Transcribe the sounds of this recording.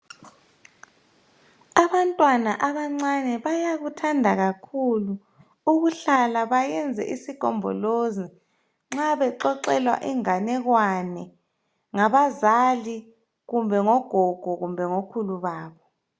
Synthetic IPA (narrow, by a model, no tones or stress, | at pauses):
aβantʼwana̰ʔaβaŋ͡ǀanɛβajaɣutʰandʱaɣakʰulu | uɣuɬalaβajɛnd͡zʱɛ̰ʔisiɡ̥ʱɔ̰mbʱɔ̰lozi | ŋ͡ǁaβɛǃɔǀɛlwa̰ʔiŋanɛɣwanɛ | ŋaβazali | ɣumbʱɛŋɔɡ̥ʱɔɡ̥ʱɔɣumbʱɛŋokʰuluβaːβɔ